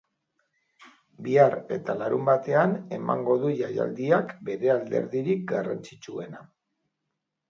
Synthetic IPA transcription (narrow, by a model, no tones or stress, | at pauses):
biare̞̰t̪alaɾumbat̪e̞ane̞ma̰ŋɡo̞ðuʝaja̰ld̪iakbe̞ɾe̞ald̪e̞̰ɾðiɾik̚ɡarant͡sit͡sue̞na